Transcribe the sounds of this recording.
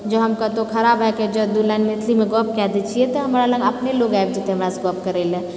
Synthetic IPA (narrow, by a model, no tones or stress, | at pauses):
d͡ʒəɦɐmkət̪okʰɐɾaːbɦɛked͡ʒɐd̪ulɛːnmet̪ʰlimẽɡɔːp̚kɛd̪et͡ʃʰiet̪oɦɐmaɾalə̃ɡəpneloːɡab̚d͡ʒet̪eɦɐmɾasɡɔːp̚kəɾeːlɛ̃ː